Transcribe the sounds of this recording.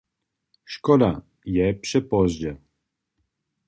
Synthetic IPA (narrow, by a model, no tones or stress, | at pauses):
ʃkɔd̪a | jɛpʂɛpɔzd͡ʑɛ